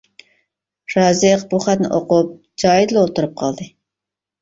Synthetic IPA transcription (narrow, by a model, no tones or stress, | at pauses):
ɾɑːzɨqbuχæt̪nɪ̰ʔoqup̚ | d͡ʒɑːjid̪lˠolˠt̪uɾɨp̚qʰɑlˠd̪ɨ